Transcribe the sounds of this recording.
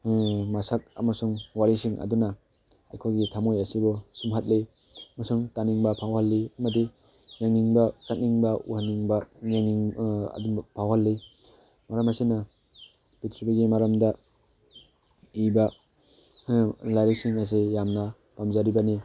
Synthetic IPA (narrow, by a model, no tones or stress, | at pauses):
masak̚a̰masuŋwaɾisiŋʔa̰duna | a̰jkʰojɡitʰamojasibɔsumɦat̚le | masuŋtaniŋbapʰawhalːiamadi | jaŋːiŋbasat̚niŋbaṵhanːiŋbajaŋiŋa̰dunpʰawhalːi | maɾɐmasina | pitʰɾbiɡimaɾamda | iba | laɾisiŋas̬ejamna | pamzaɾibani